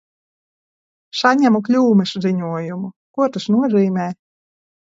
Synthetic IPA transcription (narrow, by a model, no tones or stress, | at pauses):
saɲʲæmuklʲuːmɨʃziɲuɔjumukuɔt̪asnuɔziːmʲɛː